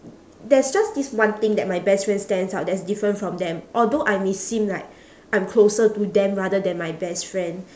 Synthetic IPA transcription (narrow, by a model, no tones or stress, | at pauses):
dɛsd͡ʒasdiswãnt̪ĩŋdɛt̚majbɛstfɹɛ̃nstɛ̃nsaʊt̚dɛtsdifɹə̃ntfɹɔ̃md̪ɛ̃mʔɔldoʔajmesĩmlaɪk̚ | ʔãj̃mkʰlosətudɛ̃mɹadədɛ̃nmajbɛstfɹɛ̃nd